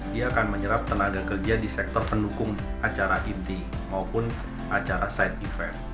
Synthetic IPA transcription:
diaːkanməɲəɾap̚t̪ənaɡakərd͡ʒadisɛk̚t̪ɔrpəndukʊŋat͡ʃaɾaʔint̪i | maupʊn | at͡ʃaɾasajt̪̚ifɛm

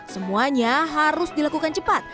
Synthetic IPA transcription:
səmuaɲaɦaɾʊsdilakukant͡ʃəpat̪̚

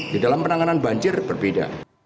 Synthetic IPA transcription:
didalampənaŋananbaɲd͡ʒɪrbərbeda̰

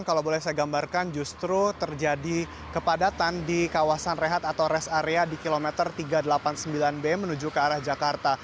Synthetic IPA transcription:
ŋkalawbolɛhsajaɡambarkand͡ʒust̪ɾut̪ərd͡ʒadi | kəpadat̪andikawasanreɦat̪at̪awɾɛsaɾeadikilomɛt̪ərt̪iɡadəlapansəmbilanbemənud͡ʒukəaɾahd͡ʒakart̪a

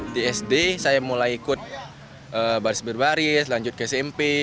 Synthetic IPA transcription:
diɛsdesajamulajikʊt̪̚ | ʔəbaɾɪsbərbaɾɪslaɲd͡ʒʊt̪̚kəsɛmpe

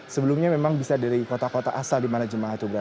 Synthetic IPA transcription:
səbəlumɲamemaŋbisadaɾikot̪akot̪aʔasaldimanad͡ʒəmaaht̪ubəɾa

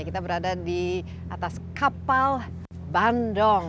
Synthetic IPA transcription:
akit̪abəɾadadi | ʔat̪askapal | bandɔŋ

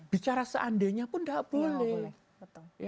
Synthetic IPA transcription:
b̥it͡ʃaɾasə̰ʔandeɲapʊndaʔb̥olɛ | j

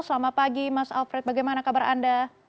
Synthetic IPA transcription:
səlamapaɡimasa̰lfɾɛt̪̚baɡajmanakabaɾʔa̰nda

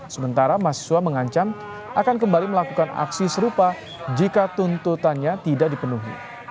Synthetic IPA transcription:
səmənt̪aɾamasi̥suaməŋaɲt͡ʃam | ʔakankəmbaliməlakukana̰ksisəɾupa | d͡ʒikat̪unt̪ut̪anɲat̪idak̚dipənuɦḭ

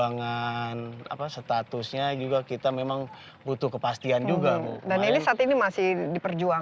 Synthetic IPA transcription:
aŋana̰pasət̪at̪ʊsɲad͡ʒuɡakit̪amemaŋ | but̪ʊhkəpast̪iand͡ʒuɡamdaninisat̪inimasɪhdipərd͡ʒua

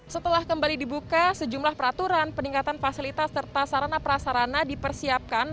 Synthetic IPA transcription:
sət̪əlahkəmbalidibukasəd͡ʒumlahpəɾat̪uɾanpəniŋkat̪anfasilit̪asːərt̪asaɾanapəɾasaɾanadipərsiap̚kan

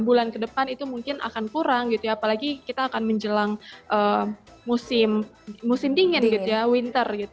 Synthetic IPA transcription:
bulankədəpanit̪umuŋkɪnʔa̰kankuɾaŋɡit̪ujaːpalaɡikit̪aːkanməɲd͡ʒəlaŋʔəː | musɪmmusɪmdiŋənɡit̪ujawint̪ərɡit̪u

